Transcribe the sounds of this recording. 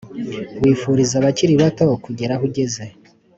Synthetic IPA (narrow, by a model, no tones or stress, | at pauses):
wiːfuɾizaβaciɾiβato̞kuɟe̞ɾaɦuɟe̞ze̞